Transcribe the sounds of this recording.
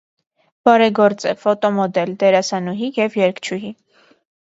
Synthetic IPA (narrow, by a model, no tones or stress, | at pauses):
b̥ɑɾɛɡɔɾt͡sɛfɔt̪ɔmɔd̪ɛld̪ɛɾɑsɑnuɦijɛvjɛɾkt͡ʃʰuɦi